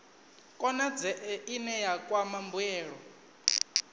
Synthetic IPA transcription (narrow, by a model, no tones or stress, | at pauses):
kʼɔnad͡zɛʔɛʔinɛjakʼwamambuɛːɺɔ